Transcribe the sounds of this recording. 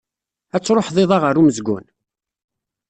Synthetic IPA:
æt͡sːɾˤoħðˤɪðˤɑʁəɾuməzɡʷʊ̰n

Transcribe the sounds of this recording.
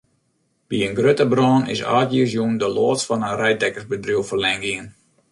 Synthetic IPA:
b̥iənɡrøtəbrɔːnɪ̰sa̰ːtjis̬jundəloːtsfɔnənrɛj̚dɛkərzbədruwfərlɛŋɡɪən

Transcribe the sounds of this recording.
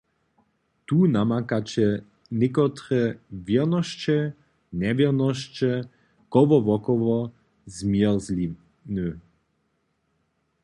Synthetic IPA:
t̪unamakat͡ɕɛ | nɪkɔt̪ɾɛvjɛʁnɔʃt͡ʃɛ | nɛvjɛʁnɔʃt͡ʃɛ | kɔʋɔvɔkɔʋɔ | zmjɛʁzli | nø

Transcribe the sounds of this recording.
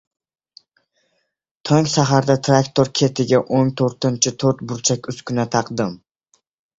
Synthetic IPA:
t̪ʰɒŋʲʃaɦaɾd̪at̪ʰɾakt̪ʰoɾkʲʰe̞t̪ʰɪɡʲaʔoŋt̪ʰoɾt̪ɪnt͡ʃʰɪt̪ʰoɾt̪̚bʊɾt͡ʃʰakʲʊskʲʰʊnat̪ʰɑqd̪ɪm

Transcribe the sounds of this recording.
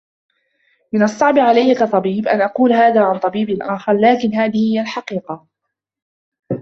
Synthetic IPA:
mɪnɑsˤːɑʕbɪʕalajːakɑt̪ˤɑbiːbʔanʔɑquːlhaːðaːʕant̪ˤɑbiːbɪʔaːxɑɾˤlaːkɪnɦaːðɪhhɪjːalħɑqiːqɑ

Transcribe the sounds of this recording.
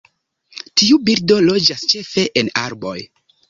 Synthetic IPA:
tiubiɾdo̞lo̞d͡ʒast͡ʃe̞fe̞ʔenaɾbo̞̰j

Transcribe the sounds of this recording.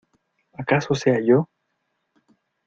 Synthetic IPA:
akasoseaʝo

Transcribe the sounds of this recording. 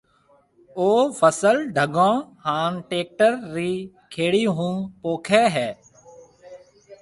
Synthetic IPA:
oːfʰəsəlɖʱəɡõːhaːnʈeːk̚ʈəɾːiː | kʰeːɽiːɦũːpoːkʰɛːɦɛː

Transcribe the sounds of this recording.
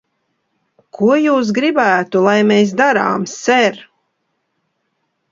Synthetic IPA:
kʰuɔjuːs̬ɡɾibæːt̪ulˠajmeːs̬d̪aɾa̰ːmsɛɾ

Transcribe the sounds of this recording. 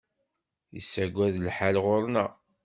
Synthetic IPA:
jə̰sːæɡʷæðlħalʁoɾˤnæ

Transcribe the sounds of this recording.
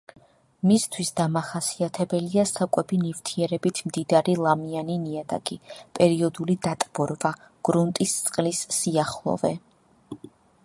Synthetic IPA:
mist̪ʰwisd̪amaχasiat̪ʰɛbɛliasakʼɛbinift̪ʰiɛɾɛbit̪ʰmd̪id̪aɾilˠamianiniad̪a̰ɡʼipʼɛɾiɔd̪ulid̪at̪ʼb̥ɔɾva | ɡ̥ɾunt̪ʼist̪sʼqʼlisːiaχlˠɔ̰vɛ

